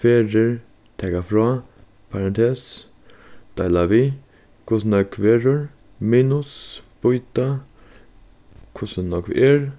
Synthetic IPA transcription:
feːɾəɹ | t̪ʰɛkafɾɔː | pʰaɾɛnt̪ʰeːs | d̪̥aɪlaʋi | kʰʊsnakʰʋeːɾəɹ | miːnʊsb̥ʊjt̪a | kʰʊsənɔkʋ̰ʔɛɹ

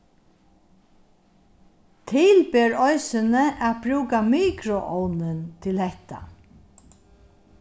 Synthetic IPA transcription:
t̪ʰɪlbeːɹɔjsɪnəʔæt̪bɾuːkamiːkɾʊʔɔwnɪnt̪ʰɪlhɛht̪a̰

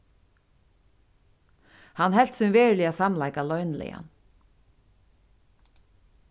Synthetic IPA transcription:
hanhɛl̥t̪sʏnveːɹlɪaːsamlajkalɔɥnlɛ̰ja̰n

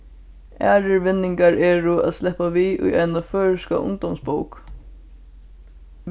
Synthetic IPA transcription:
æːɹɪɹvɪnːɪŋkaɹʔɛːɹʊæ̰ðsɛhpaʋiːʔʊ̰jajnaføːɻɪska̰ʔʊ̰ŋd̪ɔmsbowk

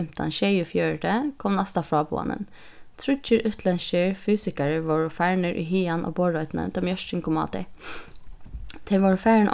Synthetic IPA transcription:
mt̪ɑ̰nʃejʊfjøːɹʈəkʰɔmnɛst̪ɑfɾɑːbṵːɑ̰nə̰n | t̪ʰɾʉt͡ʃəɾʉt̪ʰlɛnʃəɹfyːsɪkæɹəʋɔɹʊfæːɹɳəɹʔy̰ːɦiːɑnʔo̰ːboːɹɔʏt̪n̩ə̰nt̪ɑːmjœʃt͡ʃənkʰʊmɑ̰ːt̪ɪ | t̪ʰɛʋɔɹfæːɹɳʔ

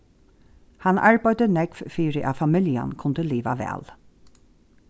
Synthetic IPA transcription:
hanaɹbɑjd̪ənɛɡv̥fiːɾəʔafamɪlja̰nkʰʊnd̪əliːʋa̰ʋɛ̰ːl

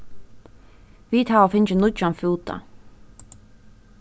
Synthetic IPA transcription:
viːt̪ʰaːɔfɪnd͡ʒənʊd͡ʒanfuːd̪a̰

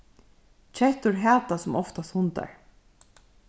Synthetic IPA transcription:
t͡ʃʰɛht̪ʊɹɦæːt̪asʊmɔft̪ast̪hʊnt̪a̰ɹ

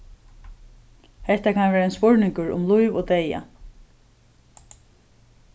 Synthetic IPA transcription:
hɛht̪akʰanʋeːɾaɛnspʊɹnɪŋkʊɹʊ̰mlujʋoːt̪eja̰

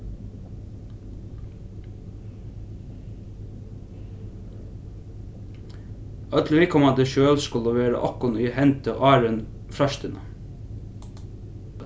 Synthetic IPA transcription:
ɑt̪lʋɪːkʰɔmɑd̪eʃøːlskʊləʋeːɾə̰ʔɔkʊniːhɛnt̪əo̰ʔɑːɾən | fɾɑʃt̪ənə

